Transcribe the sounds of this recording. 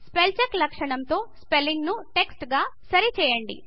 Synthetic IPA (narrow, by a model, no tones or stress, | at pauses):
spelt͡ʃɐklɐkʂɐɳɐmt̪o̞ːspelːiŋɡnuʈe̞ksʈɡaːsɐɾit͡ʃɛːjɐɳɖḭ